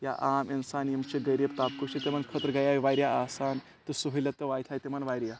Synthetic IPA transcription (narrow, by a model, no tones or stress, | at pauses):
ja̰ʔaminsaːnjimt͡ɕeɡəjɾibt̪ap̚koɕet̪emənkʰət̪ɾɡajaʋajɾjaasaːn | t̪əsuɦilat̪əʋajt̪ʰajt̪emanʋajɾja